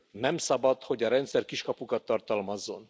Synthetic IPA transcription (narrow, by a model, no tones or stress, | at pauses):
nɛmsɒbɒt̪hoɟɒɾɛnt̪sɛrkiʃkɒpukɒt̪ːɒrt̪ɒlmɒzːo̞̰n